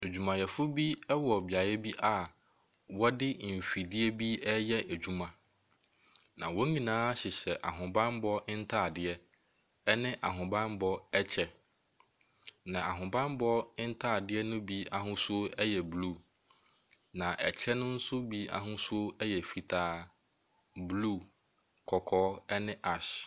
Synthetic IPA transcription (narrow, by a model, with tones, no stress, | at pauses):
æ˨d͡ʑᶣu˨mã˨jɛ˨fʊ˦bi˦ɛ˦wɔ˨bɪ˨a˨jɛ˦bi˦ʔa˨ | wɔ˦dɪ˦m̩˨fi˨dɪ˦ɛ˦bi˦ɛ˦jɛ˦ʔæ˨d͡ʑᶣu˨mã˨ | nã̰˨wɔ˦ɲĩ˨nãː˦ɕɪ˨ɕɛ˨ʔa̰˨ɦʊ̃˨bã˦nbɔ˦ɪ˦n̩˦tʰaː˦˨dɪ˦ɛ˦ | ɛ˦nɪ̃˦ʔa˨ɦʊ̃˨bã˦nbɔ˦ɛ˦t͡ɕʰɛ˨ | nã˨a̰˨ɦʊ̃˨bã˦mbɔ˦ɪ˦n̩˦tʰaː˦˨dɪ˦ɛ˦nʊ̃˦bi˦a˨ɦʊ̃˦sʊ˦ɛ˦jɛ˨blu˦˨ | nã˨ʔɛ˨t͡ɕʰɛ˦nʊ̃˦n̩˦sʊ˦bi˦a̰˨ɦʊ̃˦sʊ˦o˦ɛ˦jɛ˨fi˨tʰaː˦ | blu˦˨ | kʰɔ˨kʰɔː˦ɛ˦nɪ̃˦ʔa˨ɕ